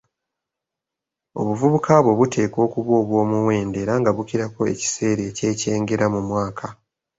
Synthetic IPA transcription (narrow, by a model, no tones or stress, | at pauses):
o̞̰βuvuβukʰaβwo̞βute̞ːko̞ːkuβo̞ːβwo̞ːmuwe̞ːnde̞ːɾaŋɡaβukiɾako̞e̞̰ci̥se̞ːɾe̞ce̞ːce̞ːŋɡe̞ɾamumwaːkʰa